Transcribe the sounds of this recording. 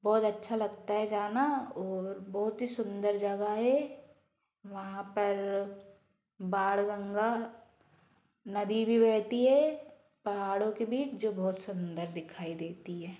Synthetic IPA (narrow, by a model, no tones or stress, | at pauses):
bɔːt̪ɐtːʃʰalɐɡt̪aɦɛd͡ʒaːnaɔːɾbɔːʊt̪ɦisʊ̃nd̪əɾd͡ʒɐɡaɦɛ | ʋɐɦãpɐɾ | baːɽɡə̃ŋɡa | nɐd̪ibʱibɛːt̪iɦɛ | pɐɦaːɽõkebiːt͡ʃd͡ʒoːbɔːt̪sʊ̃nd̪əɾd̪ɪkʰaːid̪eːt̪iɦɛː